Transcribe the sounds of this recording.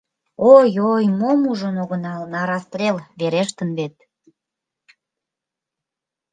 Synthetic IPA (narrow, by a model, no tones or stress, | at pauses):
ojojmomuʒənoɣənɑlnɑɾɑst̪rʲelβeɾeʃt̪ənβet̪̚